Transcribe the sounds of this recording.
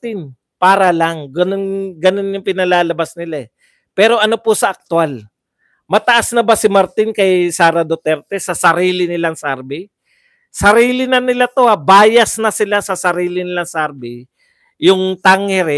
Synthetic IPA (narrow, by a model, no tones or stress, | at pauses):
t̪ɪn | paːɾɐlaŋɡɐnonɡɐno̞njʊŋpɪnɐlaːlɐbasnɪlaɛ | pɛːɾo̞ʔɐno̞pʊsɐʔɐk̚t̪ʊal | mɐt̪ɐʔasnɐbasɪmaɾt̪ɪnkɐjsaːɾɐd̪ot̪ɛɾt̪ɛsɐsɐɾiːlɪnɪlaŋsaɾbɪ | sɐɾiːlɪnɐnɪlat̪o̞abaːjɐsnɐsɪlasɐsɐɾiːlɪnɪlaŋsaɾbɪ | jʊŋt̪aŋɛɾɛ